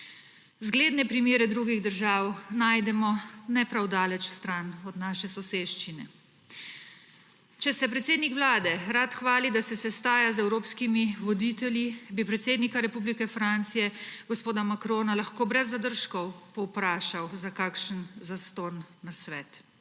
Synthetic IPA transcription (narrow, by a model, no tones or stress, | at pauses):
zɡleːd̪nɛpɾimeːɾɛd̪ɾuɡiɣd̪əɾʒaːwnajd̪ɛmɔnɛpɾawd̪aːlɛt͡ʃst̪ɾanɔd̪naːʃɛsɔseːʃt͡ʃinɛ̰ | t͡ʃɛsɛpɾɛt̪seːd̪nikʋlaːd̪ɛɾat̪xʋaːlid̪asɛsɛst̪aːjazɛwɾoːpskimiʋɔd̪it̪ɛljibipɾɛt̪seːd̪nikaɾɛpublikɛfɾant̪sijɛɡɔspoːd̪amakɾoːnalaxkoːbɾɛzːad̪əɾʃkɔwpɔwpɾaːʃawzakaːkʃənzast̪oːnːasʋɛːt̪